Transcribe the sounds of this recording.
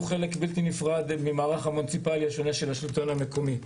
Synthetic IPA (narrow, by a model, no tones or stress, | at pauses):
χe̞lekbilt̪inifʁad̪mimaːʁaχamont͡sipaliaʃo̞neʃe̞laʃlt̪o̞name̞ko̞mi